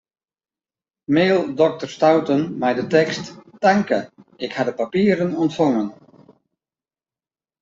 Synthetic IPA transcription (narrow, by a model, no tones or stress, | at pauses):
meːlˠdɔk̚tərstawtənmɛjdətɛksttaŋkəɪkhadəpapiːəɾənɔntfɔŋən